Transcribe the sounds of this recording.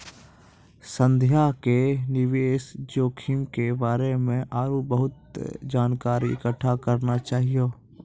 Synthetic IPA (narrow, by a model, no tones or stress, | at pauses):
sə̃nd̪ʱjakenɪʋeːsd͡ʒoːkʰimkebaːɾemẽʔaːɾubəɦʊt̪d͡ʒaːnkaːɾiɪkəʈʰːakəɾnat͡ʃaːɦijoː